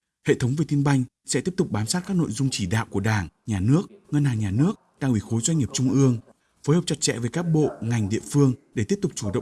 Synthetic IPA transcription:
hḛ˧˨t̪ʰə˨˦wŋ͡mve˨˩t̪i˧ənɓa˧jŋ̟ | sɛ̰˧˥t̪i˦˥əp̚t̪ʊ˨˩k͡p̚ɓaː˨˦msaː˦˥t̚kaː˦˥k̚no̰˧˨jzʊ˧ŋ͡mt͡ɕi˧˩ɗa̰ː˧˨wku˧˩əɗaː˧˩ŋɲaː˨˩nɨ˦˥ək̚ŋə˧nhaː˨˩ŋɲaː˨˩nɨ˦˥ək̚ɗaː˧˩ŋʔwi˧˩xo˨˦jzwa˧ɲ̟ɲi˨˩əp̚t͡ɕʊ˧ŋ͡mʔɨ˧əŋ | foː˨˦jhəː˨˩p̚t͡ɕa˨˩t̚t͡ɕɛ̰˧˨ve˨˩kaː˦˥k̚ɓo̰˧˨ŋa˨˩jŋ̟ɗḭ˧˨əfɨ˧əŋɗe˧˩t̪i˦˥əp̚t̪ʊ˨˩k͡p̚t͡ɕu˧˩ɗə̰˧˨

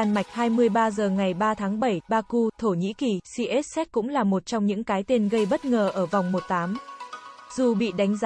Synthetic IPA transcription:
a˧nma˨˩jk̟̚haː˧jmɨ˧əjɓaː˧zəː˨˩ŋa˨˩jɓaː˧t̪ʰaː˨˦ŋɓə˧˩jɓaː˧ku˧t̪ʰo˧˩ɲḭ˧˥ki˨˩si˧ʔɛ˦˥t̚sɛ˦˥t̚kʊ̰˧˥ŋ͡mlaː˨˩mo˨˩t̚t͡ɕɔ˧wŋ͡mɲɨ̰˧˥ŋkaː˨˦jt̪e˧nɣə˧jɓə˦˥t̚ŋəː˨˩ʔəː˧˩vɔ˨˩wŋ͡mmo˨˩t̚t̪aː˨˦m | zu˨˩ɓḭ˧˨ɗa˨˦jŋ̟z

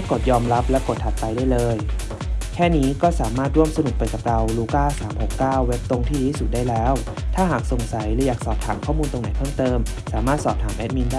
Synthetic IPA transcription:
ko˨˩t̪̚jɔː˧mɾa˦˥p̚lɛ˦˥wko˨˩t̪ʰːa˨˩t̪pa˧jdaː˥˩jlɤː˧j | kʰɛː˥˩niː˦˥kɔː˥˩saː˩˦maː˥˩t̪̚ɾu˥˩msa˧nu˨˩k̚pa˧jka˨˩p̚ɾa˧wluː˧˩kaː˥˩saː˩˦mho˨˩kːaː˥˩wːe˦˥p̚t̪o˧ŋt̪ʰiː˥diː˧˦˥su˨˩t̪̚daː˥˩jlɛː˦˥w | t̪ʰaː˥˩ɦaː˨˩k̚so˨˩ŋsa˩˦jlɛ˩˧˦jaː˨˩k̚sɔː˨˩p̚t̪ʰaː˩˦mkʰɔː˥˩muː˧nt̪o˧ŋna˨˩˦jpʰɤː˥˩mt̪ɤː˧m | saː˩˦maː˥˩t̪̚sɔː˨˩p̚t̪ʰaː˩˦mʔɛ˦˥t̪̚miː˧na˥

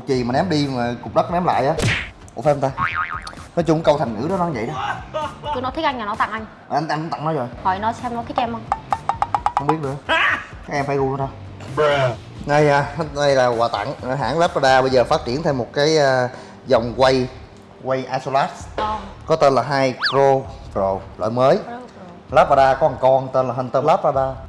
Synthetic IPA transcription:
t̚t͡ɕi˨˩maː˨˩nɛ˨˦mɗi˧maː˨˩kʊ˨˩k͡p̚ɗə˦˥˦nɛ˨˦mla̰ː˧˨jʔaː˨˦ | ku˧˥˩fa˧˦˧nt̪aː˧ | nɔ˨˦jt͡ɕʊ˧ŋ͡mkə˧wt̪ʰa˨˩ŋ̟ŋɨ̰˧˥ɗɔ˨˦ɗɔ˨˦˧ŋvə̰˧˨ɗɔ˨˦t̪u˧nɔ˨˦t̪ʰʔŋ̟ɲa˨˩nɔ˨˦t̪a̰˧˨ŋʔa˧jŋ̟ | a˨˩ʔa˧ŋaː˧nkʊ˧˦ŋ͡mt̪a̰˧˨ŋnɔ˨˦jzo˨˩jhɔ˨˩jnɔ˨˦sɛ˧mnɔ˨˦jkaː˨˦˥kʔɛ˧mə˧wŋ͡m | xə˧wŋ͡mɓi˦˥əɗɨ˨˩ | kaː˦˥k̚ʔɛ˧mfaː˧˩jɣu˧a˧˦saː˧ | na˧ja˨˧˩na˧jlaː˨˩ɣwaː˨˩t̪a̰˧˨ŋ˨ɦa̰ː˧˥ŋlaː˦˥p̚ːaː˧ɗaː˧ɓə˧jzəː˨˩faː˦˥t̚t͡ɕi˧˩ənt̪ʰɛ˧wmo˨˩t̚kaː˨˦jʔaː˧ | zɔ˨˩wŋ͡mkwə˧j | ɣwa˧jʔaː˧so˧la˦˥t̚kɔ˨˦t̪e˧nlaː˨˩ɦaː˧jkɾo˧zo˨˩jlo̰ː˧˨jməː˨˦j | laː˦˥p̚paː˧ɗaː˧kɔ˨˦ha˨˩ŋkɔ˧nt̪e˧nlaː˨˩hə˧nt̪əː˧laː˦˥p̚ːaː˧ɗaː˧

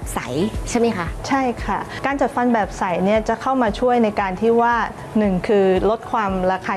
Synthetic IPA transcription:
sa˩˦jt͡ɕʰa˥˩jma˥jkʰa˦˥t͡ɕʰa˥˩jkʰa˥˩kaː˧nt͡ɕa˨˩t̪̚fa˧nbɛː˨˩p̚sa˩˦jni˥˩ɐt͡ɕa˨˩kʰa˥˩wmaː˧t͡ɕʰu˥˩əjna˧jkaː˧nt̪ʰiː˥˩waː˥˩ | nɯ˨˩ŋkʰɯː˧lo˦˥t̪̚kʰwaː˧mɾaː˧kʰaː˧

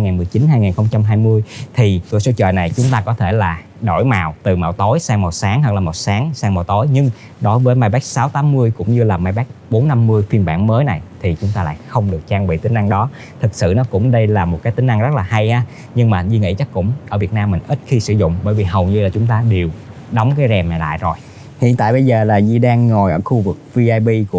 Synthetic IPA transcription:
a˧jŋa˨˩nmɨ˨˩əjt͡ɕi˨˦nɦaː˧jŋaː˨˩nxə˧wŋ͡mt͡ɕa˧mɦaː˧jmɨ˧əjt̪ʰi˨˩kɨ˨˧˩əso˨˦t͡ɕə̰ː˧˨na˨˩jt͡ɕʊ˨˦ŋ͡mt̪aː˧kɔ˨˦t̪ʰe˧˩laː˨˩ | ɗo˧˩jmaː˨˩wt̪ɨ˨˩ma̰ː˧˩wt̪o˨˦jsaː˧ŋmo˨˩t̚saː˨˦ŋha˨˩k̚laː˨˩mo˨˩t̚saː˨˦ŋsːŋmaː˨˩wt̪o˨˦jɲɨ˧ŋ | ɗo˨˦jvəː˨˦jma˧jɓɛː˦˥k̚saː˨˦wt̪aː˨˦mːɨ˧əjkʊ̰˧˥ŋ͡mɲɨ˧laː˨˩maː˧jɓɛː˦˥k̚ɓo˨˦nːa˧mːɨ˧əjfi˧ənɓa̰ː˧˩nməː˨˦jna˨˩jt̪ʰi˨˩t͡ɕʊ˨˦ŋ͡mt̪aː˧la̰ː˧˨jxə˧wŋ͡mɗɨ˨˩ək̚t͡ɕaː˧ŋɓḭ˧˨t̪ï˨˦ŋ̟ʔa˧ŋɗɔ˨˦ | t̪ʰɨ˨˩k̚sɨ̰˧˨nɔ˨˦kʊ̰˧˥ŋ͡mɗə˧jlaː˨˩mo˨˩t̚kaː˨˦jt̪ï˨˦ŋ̟ʔa˧ŋzə˦˥t̚laː˨˩ɦa˧jhaː˨˦ | ɲɨ˧ŋmaː˨˩zi˧ŋḭ˧˥t͡ɕa˦˥kkʊ̰˧˥ŋ͡mʔəː˧˩vi˨˩ət̚naː˧mːï˨˩ŋ̟ʔi˦˥t̚xi˧sɨ̰˧˩zʊ̰˧˨ŋ͡mɓəː˧˩jvi˨˩ɦə˨˩wɲɨ˧laː˨˩t͡ɕʊ˨˦ŋ͡mt̪aː˧ɗe˨˩wɗɔ˨˦wŋ͡mkaː˨˦jzɛ˨˩ma˨˩la̰ː˧˨jzo˨˩j | hḭ˧˨ənt̪a̰ː˧˨jɓə˧jzəː˨˩laː˨˩zi˧˩ɗaː˧ŋːo˨˩jʔəː˧˩xu˧vɨ˨˩k̚vi˧ʔaː˧jɓi˧ku˧˩

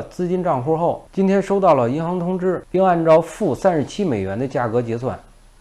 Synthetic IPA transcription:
t͡sɹ̩˥˧t͡ɕi˥nʈ͡ʂɑ˥˧ŋxwɔ˥xo˥˩ʊt͡ɕi˥nt̪ʰjɛ˥nʂo˥ʊt̪ɑ˥˩ʊlə˩i˧˥nxɑ˧˥ŋt̪ʰʊ˥ŋʈ͡ʂɻ̩˥˩pi˥˧ŋa˥˧nʈ͡ʂɑ˥˧ʊfu˥˩sa˥nʂɻ̩˥˩t͡ɕʰi˥me˨˩ɪɥɛ˧˥nd̪ə˧t͡ɕja˥˩kɤ˧˥t͡ɕjɛ˧˥swa̰˥˩n

